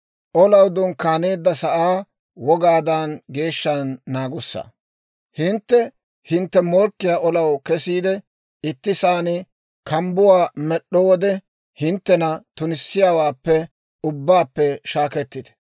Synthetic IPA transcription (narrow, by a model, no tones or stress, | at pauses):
ʔɔlɐwd̪ʊnkaːneːd̪ːɐsɐʔaː | wɔɡaːd̪anɡe̞ːʃːɐnːaːɡʊsːɐ̰ | hɪnt̪ːɛ | hɪnt̪ːɛmɔɾkːɪjaːʔɔlɐwkɛsiːd̪ɛ | ɪt̪ːɪsaːnɪ | kɐmbʊwaːmɛɗːɔwɔd̪ɛ | hɪnt̪ːɛnɐt̪ʊnɪsːɪjaːwaːpːɛ | ʊbːaːpːɛʃaːkɛt̪ːɪd̪ɛ̥